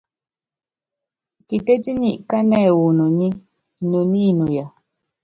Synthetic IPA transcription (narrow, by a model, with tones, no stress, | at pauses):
ki˨te˦ti˦ni˦˨ʔka˦nɛ˦˨wu˨nu˨ni˦ | nu˨ni˦˨nu˨ja˨